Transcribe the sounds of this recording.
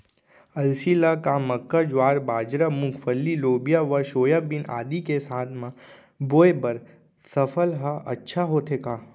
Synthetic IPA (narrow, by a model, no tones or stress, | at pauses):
ɐlsiːlakamɐkːəd͡ʒwaːɾbaːd͡ʒɾamʊkʰfʰəlːiloːbijaʋəɾʃoːjabɪna̰ːd̪ikesaːt̪ʰmã | boːebɐɾ | sɐfʰəlɦəɐ̰tːʃʰaɦoːt̪ʰekaː